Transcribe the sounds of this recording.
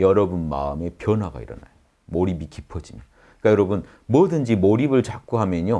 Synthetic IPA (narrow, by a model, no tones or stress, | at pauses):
jʌɾʌbunma̰ɯme̞pjʌnɦwaɡa̰ḭɾʌ̰na̰jo | moɾibikipʰʌd͡ʑimjʌ | k͈ajʌɾʌbɯn | mwʌdɯnd͡ʑimoɾibɯɭt͡ɕak͈uɦamjʌɲo